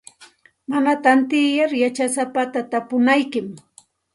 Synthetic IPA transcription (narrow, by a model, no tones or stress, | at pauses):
manat̪ant̪ɪjaɾjat͡ʃasapat̪at̪apʊnajkɪm